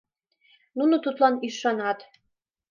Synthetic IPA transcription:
nunot̪ut̪lɑniʃɑnɑt̪

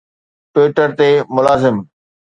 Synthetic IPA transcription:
ʈweːʈəɾt̪eːmʊlaːzɪm

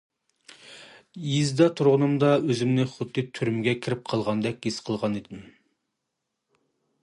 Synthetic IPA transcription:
jizd̪ɑt̪ʰuɾʁʊnɨmd̪ɑøzɪmnɪχʊd̪ːɨt̪ʰyɾymɪɡʲɛkʲʰiɾɪp̚qʰəlˠʁɑnd̪ɛkʲjisqʰəlˠʁɑnid̪ɪm

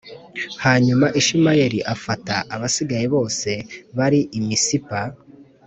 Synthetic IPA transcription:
haːɲumaʔiʃimajeɾiʔafataʔːβasiɡajiβo̞ːse̞βaɾiʔimisipa

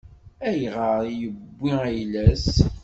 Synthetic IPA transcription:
æjʁəɾˤjəbʷːiæjlæs

